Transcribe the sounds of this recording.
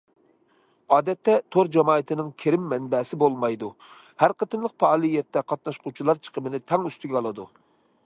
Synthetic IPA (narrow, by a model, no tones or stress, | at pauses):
ɑːd̪ɛt̪ːɛt̪ʰoɾd͡ʒɛmɑːɨt̪ʰɪnɪŋkʲʰeɾɪmːɛnbɛsɪbolˠmɑjd̪u | hæɾqət̪ɨnlˠəqpɑːlˠijɛt̪ːɛqʰɑt̪̚nɑʃqʰut͡ʃʰilˠɑɾt͡ʃʰə̥qʰəbɪnɪt̪ʰɛŋyst̪yɡʲɛɑlˠɨd̪u